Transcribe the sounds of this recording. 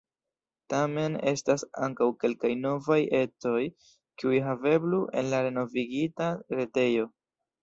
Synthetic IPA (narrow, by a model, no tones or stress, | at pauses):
tame̞ne̞̰stasa̰ŋkawke̞lkajno̞vaje̞to̞j | kiujɦave̞bluʔe̞̰nlaɾe̞no̞viɡitaɾete̞jo̞